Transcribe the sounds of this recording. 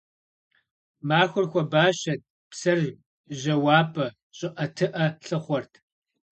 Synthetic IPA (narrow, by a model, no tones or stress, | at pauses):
maːxʷʊrxʷɔbaːɕɐt̚ | psɐr | ʒɐwaːpʰʼɐ | ɕʼɪʔɐtʰɨʔɐɬɨχʷɔrtʰ